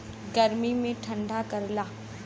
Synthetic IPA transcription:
ɡɐɾmimẽʈʰɐ̃ɳɖʱakɐɾlaː

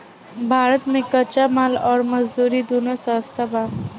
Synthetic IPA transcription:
bʱaːɾət̪mẽkət͡ʃamaːlɔːɾməd͡ʒd̪uːɾid̪onosast̪ʰaba

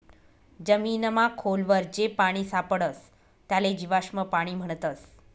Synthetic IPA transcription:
d͡ʑəmiːnəmãkʰolʋəɾd͡ʑepaɽ̃isapəɽəs | t̪jaled͡ʑiʋaʂməpaɽ̃iːm̤əɳ̃t̪əs

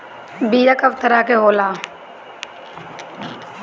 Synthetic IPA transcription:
biːjakəʋt̪ʰəɾaːkeɦoːlaː

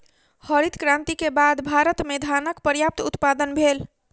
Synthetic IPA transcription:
həɾit̪kɾãnt̪ikebad̪bʱaɾət̪med̪ʱanəkpəɾjap̚t̪ʊt̪pad̪ənbʱel

